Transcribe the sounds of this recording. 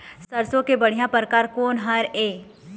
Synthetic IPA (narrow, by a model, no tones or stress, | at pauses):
sɐɾsõkebɐɽ̤ijãpɾəkaːɾkoːnɦɐɾeː